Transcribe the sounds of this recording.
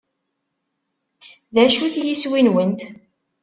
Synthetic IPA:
ðæʃuθjiswinwənt̪

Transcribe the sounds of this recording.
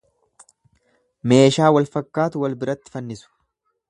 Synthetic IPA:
me̞ːʃaːwɐlfɐkːaːt̪ʊwɐlbɪɾɐt̪ːɪ̥fɐnːɪsʊ̥

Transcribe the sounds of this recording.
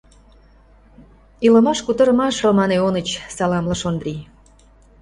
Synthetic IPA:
ilə̆mɑʃkut̪ɤ̆ɾɤmɑʃomɑneonə̆t͡ɕsɑlɑmlɑʃond̪ri

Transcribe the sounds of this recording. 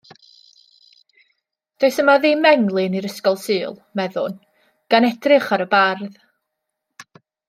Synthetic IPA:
d̥oɨsəmaðiːmɛŋlˠɨniɾəskɔlˠsɨːlˠmɛðʊ̰n | ɡ̥anɛdrɪχaɾəbarð

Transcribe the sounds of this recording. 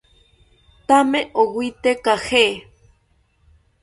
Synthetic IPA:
t̪ameʔowʷit̪ekahe

